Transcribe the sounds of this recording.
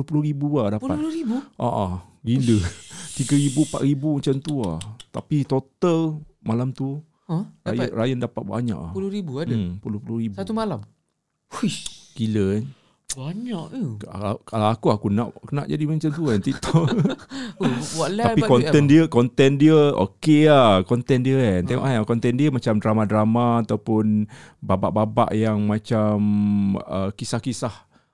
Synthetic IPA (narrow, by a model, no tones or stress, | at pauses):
pʊhpulʊɾibuahdapuaɾibuʔa̰ʔa | ɡilət̪iɡəɾibupa̰ʔ̪ɾibumət͡ʃant̪uat̪apit̪ot̪əlmalamt̪u | ɾajəɾajəndapat̪̚ba̰ɲa̰ʔa̰pulʊɾibuaapulʊhpulʊhɾibsat̪umalam | ukilən | baɲaʔakalawakuakunaʔkənaʔd͡ʒadimə̃ɲt͡ʃamt̪uant̪it̪ɔ | waʔlaapikɔnt̪ɛndiəkɔnt̪ɛndiəo̰keahkɔnt̪ɛndiənt̪eŋɔ̰ʔakɔnt̪ɛndiəmãt͡ʃamdɾamadɾamaːt̪awpʊnbaba̰ʔbaba̰ʔjaŋmãt͡ʃaməkisahkisah